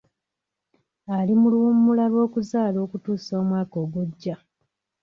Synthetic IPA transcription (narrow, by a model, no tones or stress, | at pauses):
alimuluumːulalwo̞ːkuzaːlo̞ːkutuːsso̞ːmwaːko̞ːɡweɟːa